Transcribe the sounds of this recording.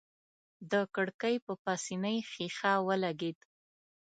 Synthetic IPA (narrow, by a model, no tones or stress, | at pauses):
d̪əkəɽkəjpəpɑsinəjxixɑwəlaɡed̪